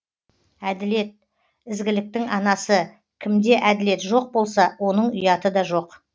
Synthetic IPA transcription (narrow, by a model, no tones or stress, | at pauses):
æd̪ɪle̞t̪̚ | ɪzɡʲɪlɪk̚t̪ɪŋɑnɑsə | kʲʰɪmd̪e̞ʔæd̪ɪle̞t̪ʒo̞q̚bo̞lˠsɑwo̞nəɴʊjɑt̪əd̪ɑʒo̞q